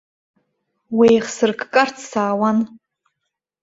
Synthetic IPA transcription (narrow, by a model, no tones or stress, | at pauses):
wejχsɨrkʰkʼartʰsaːwan